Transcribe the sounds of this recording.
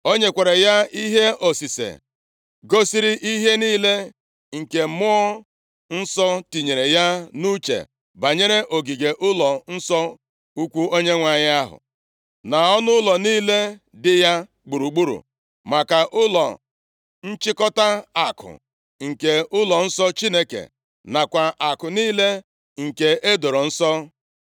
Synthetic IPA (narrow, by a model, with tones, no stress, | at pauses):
o˦ɲe˦kʷe˨ɾe˨ja˦i˦ɦe˦o˨si˨sḛ˨ | ɡo˦si˦ɾi˦ʔi˦ɦe˦niː˦le˦ | ŋ̩˨ke˨mʊ˦ɔ˦ | n̩˦sɔ˦ti˨ɲe˨ɾe˨ja˦nu˦t͡ʃḛ˨ | ba˨ɲe˦ɾe˦ʔo˨ɡi˨ɡe˨ʔʊ˦lɔ˨n̩˦sɔ˦ | u˦kʷu˦o˦ɲe˦ŋʷa˨ɲɪ˦a˦ɦʊ̰˨ | na˨ɔ˦nʊ˦lɔ˨niː˦le˦ | dɪ˦ja˦ | ɡ͡bu˨ɾu˨ɡ͡bu˦ɾṵ˨ | ma˨ka˨ʔʊ˦lɔ˨ | n̩˦t͡ʃɪ˦kɔ˦ta˦a˨kʰʊ̰˨ | ŋ̩˨ke˨ʊ˦lɔ˨n̩˦sɔ˦t͡ʃi˦ne˦kḛ˨ | na˨kʷa˨ʔa˨kʊ˨niː˦le˦ | ŋ̩˨ke˨ʔe˦do˨ɾo˨n̩˦sɔ˦